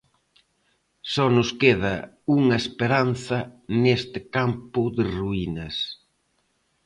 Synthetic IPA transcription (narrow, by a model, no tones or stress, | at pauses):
sɔnʊskeð̞ɐ | uŋɐespeɾan̟θɐnest̪ɪkampʊðɪruinɐs